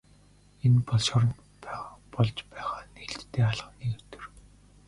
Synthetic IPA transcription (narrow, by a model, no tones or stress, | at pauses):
enpɔɮʃɔɾ̆n | pːpɔɮt͡ɕpæːχaːneɬt̪ːeːaɮʁə̆niːkɵt̪ɵ̆r